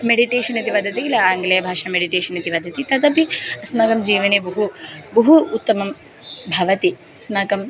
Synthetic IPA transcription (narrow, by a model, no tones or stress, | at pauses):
meɽiʈeːʃɐnɐt̪iʋɐd̪ʱɐt̪̬iilɐːŋɡɐlɐjɐbʱaːʃɐmeɽiʈeːʃɐnɐt̪iʋɐd̪ʱɐt̪it̪ɐd̪ɐpiɐsmaːɡɐmd͡ʒiːʋɐneːbɐɦubɐɦuːt̪ːɐmɐm | bʱɐʋɐt̪i | ɐsmaːkɐm